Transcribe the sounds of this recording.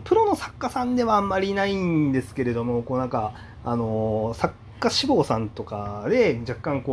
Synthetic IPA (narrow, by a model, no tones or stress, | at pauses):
pɯ̟ɾo̞no̞sḁkːasãnd̪e̞βaːmːaɾʲinaĩnnd̪e̞sɨ̥ke̞ɾe̞d̪o̞mo̞ko̞ːnãŋka | ano̞sakːaɕibo̞ːsãnt̪o̞kad̪e̞d͡ʑakːãŋko